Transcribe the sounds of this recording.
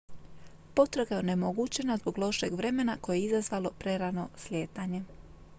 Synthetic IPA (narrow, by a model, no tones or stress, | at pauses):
po̞t̪ɾaɡaje̞onemo̞ɡut͡ɕe̞nazbo̞ɡlˠo̞ʃe̞ɡʋɾe̞me̞nako̞jeizazʋalˠo̞pɾe̞ɾano̞slʲje̞ːt̪aɲe̞